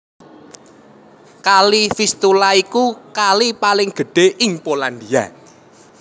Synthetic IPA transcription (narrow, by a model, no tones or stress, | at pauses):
kalifist̪ulaikukalipalɪŋɡ̥ə̤ɖ̥e̤ʔɪŋpoland̪ia̰